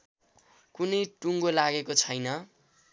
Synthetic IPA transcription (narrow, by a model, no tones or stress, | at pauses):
kunʌjʈuŋɡolaɡekot͡sʰʌjnʌ